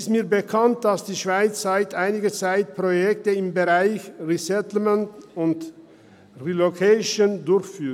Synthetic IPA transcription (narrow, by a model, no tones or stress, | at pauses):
stmiːɐbəkʰant̚d̥asd̥iːʃv̥aɪt͡sz̥aɪtʔaɪnɪɡət͡saɪt̚pʁ̥ojɛk̚təɪmbəʁaɪçʁisɛtl̩məntʊnt | ʁilokʰaɪʃondʊɾçfyːt